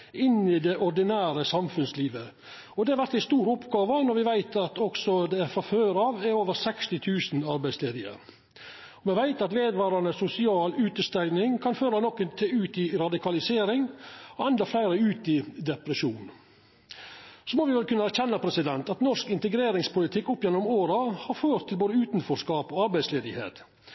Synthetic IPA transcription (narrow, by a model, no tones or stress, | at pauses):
ɪnɪd̪ɛʔɔɾɖ̪ɪnæːɾəsɑmfʉnsliːʋə | ɔd̪ɛhɑɾʋæɾt̪ɪst̪uːɾʊpɡɑːʋənɔɾʋɪʋæɪt̪ɑt̪ɔksɔd̪ɛæfɔføːɾɑːʋæɾoːʋəɾsɛkst̪ɪt̪ʰʉːsn̩ɑɾbæɪsleːd̪ɪə̰ɾ | ɔmɛʋæɪt̪ɑt̪ʋeːd̪ʋɑːɾɑnəsʊsɪɑːlʉːt̪əst̪æɪnɪŋkʰɑnføːɾɑnɔkːənt̪ʰɛʉːt̪ɪɾɑd̪ɪkʰɑlɪseːɾɪŋɔɛnd̪ɑflæɪɾəʉːt̪ɪd̪ɛpɾəʃuːn | sɔmɔʋɪʋɛlkʰʉnːəæɾçɛnːɑpʰɾɛsɪd̪ɛnt̪ɑt̪nɔʂkɪnt̪əɡɾeːɾɪŋspʊlɪt̪ʰɪkːʊpːjɛnːʊmoːɾɑhɑɾføːɾt̪ʰːɪlboːd̪əʉːt̪n̩fɔskɑːpɔɑɾbæɪsleːd̪ɪhḛːt̪